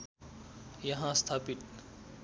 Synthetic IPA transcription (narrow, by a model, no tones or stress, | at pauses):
jɐɦãst̪ʰaːpit̪̚